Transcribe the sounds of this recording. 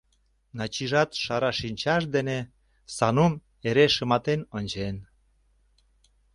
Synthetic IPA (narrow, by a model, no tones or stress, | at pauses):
nɑt͡ɕiʒɑt̪ʃɑɾɑʃinʲt͡ɕɑʃ̬d̪ene | sɑnum | eɾeʃəmɑt̪enonʲt͡ɕen